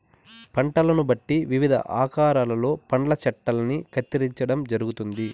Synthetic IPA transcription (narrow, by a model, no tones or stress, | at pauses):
pɐɳʈɐlɐnubɐʈːiʋiʋid̪ʱɐ̰ʔaːkaːɾaːlɐlo̞ːpɐɳlɐt͡ʃɐʈːɐlɐnikʰɐt̪ːiɾiɲt͡ʃɐɽɐmd͡ʒɐɾuɡut̪und̪i